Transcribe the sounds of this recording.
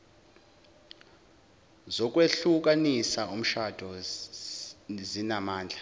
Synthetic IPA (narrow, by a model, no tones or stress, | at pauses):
zɔk̬ʼweɬuk̬ʼanisaum̩ʃad̥ʱɔ | zinamaːnd͡ɮʱa